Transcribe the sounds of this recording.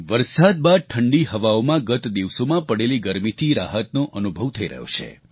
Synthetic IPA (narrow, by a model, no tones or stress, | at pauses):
ʋəɾsad̪̚bad̪̚ʈʰəɳɖiɦəʋaomãɡət̪d̪iʋsomãpəɽeliɡəɾmit̪ʰiɾaɦət̪nõʔənubʱəʋt̪ʰəiɾə̰ɦjo̰t͡ʃʰḛ